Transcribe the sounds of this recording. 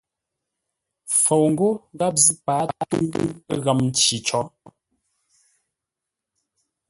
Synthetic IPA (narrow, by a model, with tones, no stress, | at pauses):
fo˨wŋ̩˦ɡo˦ɣa˦p̚zi˦pa˨˦tṵ˦ŋ̰˦ɣa˨mn̩˦t͡ʃi˨t͡ʃɔ˨˦